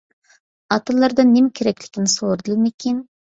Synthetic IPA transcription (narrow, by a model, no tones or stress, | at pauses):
ɑt̪ɨlˠːɑɾd̪ɑnːɪmkʲʰeɾɛkʲlɪ̥kʲinɪsoɾd̪ɨlˠmekʲʰen